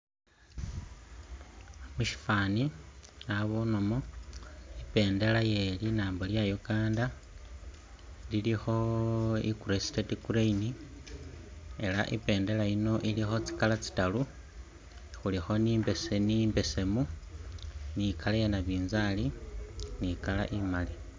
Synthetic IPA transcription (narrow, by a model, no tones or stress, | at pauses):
muʃi̥faniaβono̞mo | ipe̞ːnde̞laje̞linaːmboljajoɡaːnda | lilixo̞ḭkuɾesi̥tetikuɾeini | ela̰ʔḭpe̞ːnde̞laino̞ʔilixo̞t͡si̥kalat͡si̥talu | xulixo̞niːmbesenimbe̞se̞mu | nikalajenaβiːnzalinikala̰ʔimali